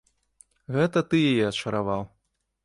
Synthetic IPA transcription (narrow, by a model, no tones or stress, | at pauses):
ɣɛt̪ɐt̪ɨjajɛɐt͡ʂɐɾavaw